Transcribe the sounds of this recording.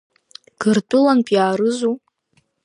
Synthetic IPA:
ɡ̥ɨrtʼʊlanpʼjaːɾɨzu

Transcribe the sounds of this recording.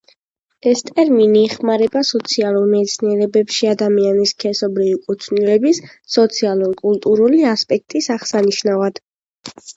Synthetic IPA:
ɛst̪ʼɛɾminiɛχmaɾɛbasɔt̪sʰialˠuɾmɛt̪sʰniɛɾɛbɛpʃiad̪amianiskʰɛsɔbɾivikʼut̪ʰnilɛbisː | ɔt̪sʰialˠuɾkʼulˠt̪ʼuɾuliaspʼɛk̚t̪ʼisaʁsaniʃnavad̪̥

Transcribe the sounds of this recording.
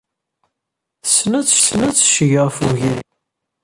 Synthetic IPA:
snæt͡sːsnæt͡sːʃəʝəʁfuʝin

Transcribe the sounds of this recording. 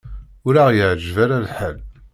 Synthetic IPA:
ʊɾaʁjəʕd͡ʒvaɾalħəl

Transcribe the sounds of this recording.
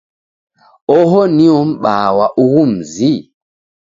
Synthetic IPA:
ɔɦɔniɔm̩ɓawaʔuɣum̩zi

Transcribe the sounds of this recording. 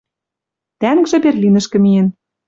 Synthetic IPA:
t̪æŋkʒĕberlʲinɘ̆ʃkɘ̆mijĕn

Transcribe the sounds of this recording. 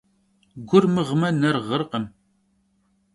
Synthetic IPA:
ɡʷʊrmɨʁmɐnɐrʁərqəm

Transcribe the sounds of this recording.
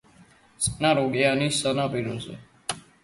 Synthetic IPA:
sə̥naːɾoɡjaniːsənãːpiɾoːsḛː

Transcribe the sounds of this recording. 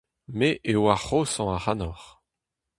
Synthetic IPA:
meʔewaχosɑ̃aʁanɔʁ

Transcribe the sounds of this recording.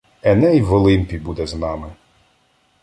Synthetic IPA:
ɛnɛjʋɔlˠɪmʲpʲibud̪ɛznɑmɪ

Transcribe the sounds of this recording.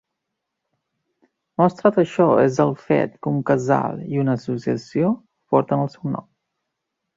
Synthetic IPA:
mɔst̪ɾat̪əʃɔezðəlˠfɛ̰t̪kəuŋkəza̰lˠiunəːsusiəsio | pɔɾt̪ənəlˠsɛwnɔ̰m

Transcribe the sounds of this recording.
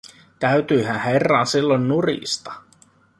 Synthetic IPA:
t̪æyt̪yːɦænherːɑːnsilːonːurḭst̪ɑ̥

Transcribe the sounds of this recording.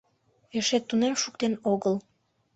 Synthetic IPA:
jæ̆ʃet̪ːunemʃukt̪enoɣɤ̆lˠ

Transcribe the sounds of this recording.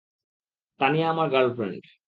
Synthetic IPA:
t̪aniaamaɾɡəɾlfɾḛɳʈ

